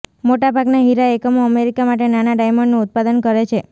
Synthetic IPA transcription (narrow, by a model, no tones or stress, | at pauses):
moʈabʱaɡnaɦiɾaekəmoəmeɾikamaʈenanaɖajməɳɖnũʊt̪̚pad̪ənkəɾet͡ʃʰe